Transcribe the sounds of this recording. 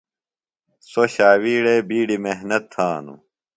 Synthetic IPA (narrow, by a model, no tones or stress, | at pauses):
soɕaːwiːɽebiːɽimeɦnɐt̪ʰːaːnṵ